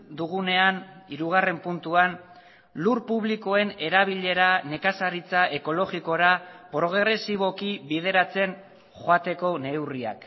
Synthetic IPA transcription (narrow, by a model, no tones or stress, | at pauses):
d̪uɣ̞une̞aniɾuɣ̞are̞mpunt̪uan | luɾpuβliko̞e̞ne̞ɾaβ̞iʎe̞ɾane̞kasaɾit͡saʔe̞ko̞lo̞ɣiko̞ɾapɾo̞ɣɾe̞siβ̞o̞kiβið̞e̞ɾat͡se̞n | xoat̪e̞ko̞ne̞wria̰k